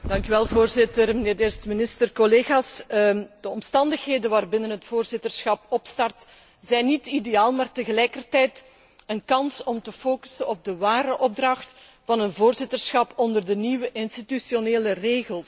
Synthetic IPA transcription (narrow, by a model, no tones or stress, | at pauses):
dɑŋkyʋɛlˠvoːrzɪtərməneːrdestmɪnɪstərkɔleːɣaːsd̥əɔmstɑndəxɦeːdənʋaːrbɪnənɦətfoːrzɪtərsxɑpɔpstɑrt | z̥ɛjnitideaːlˠmaːrtəɣəlɛjkərtɛjt | ənkɑnsɔmtəfoːky̥sənɔb̚dəʋaːɾəʔɔb̚drɑxt | vɑnənvoːrzɪtərsxɑpɔndərdəniwəʔɪnstitysjoneːləreːɣəlˠs